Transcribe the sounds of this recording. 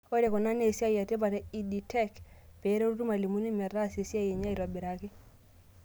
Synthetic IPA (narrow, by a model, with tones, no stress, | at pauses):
o˦ɾe˨kɔ˨na˦ne˨si˦a˦ja˨te˦pa˨te˦i˨di˨tɛ˦kpe˨˦ɾe˦ɾu˦tu˦ma˨li˨mu˦ni˦mɛ˨ra˦se˨si˦a˦je˨ɲa˦i˨ɾa˨bi˨ɾa˨ki˦